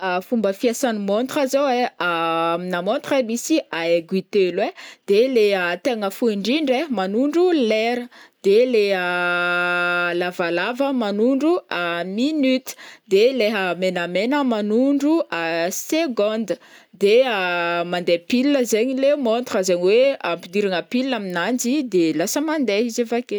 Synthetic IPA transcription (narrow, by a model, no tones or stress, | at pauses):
afumbəfiasanimont̪razoweaminamõnt̪remisiaeɡwit̪elwed̪̥eleət̪eŋəfuiɳɖ͡ʐiɳɖ͡ʐeɦmanuɳɖ͡ʐulɛɾəd̪̥elea | lavalavəmanuɳɖ͡ʐuaminyt̪i̥d̪eleɦəmenamenəmanuɳɖ͡ʐuʔaseɡɔ̃nd̪əd̪eamand̪epilinəzeɲilemont̪razeɲiweampid̪iɾaŋəpilinaminand͡ʒid̪elasəmand̪eizevake